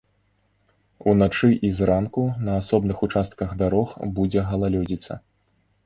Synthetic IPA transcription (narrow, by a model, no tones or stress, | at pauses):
unat͡ʂɨʔizɾankunɐasɔbnɨxut͡ʂast̪̚kɐɣd̪aɾɔxbud͡zʲɛɣɐlˠalʲɔd͡zʲit̪sɐ̰